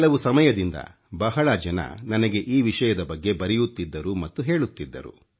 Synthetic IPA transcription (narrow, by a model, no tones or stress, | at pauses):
kɐlɐʋusɐmɐjɐd̪ind̪ɐ̰ | bɐɦɐɭɐd͡ʒɐnɐ̰nɐnɐɡe̞ʔiːʋiʂɐjɐd̪ɐbɐɡːe̞bɐɾɛjut̪ːid̪ːɐɾumɐt̪ːuɦe̞ːɭut̪ːid̪ːɐ̰ɾṵ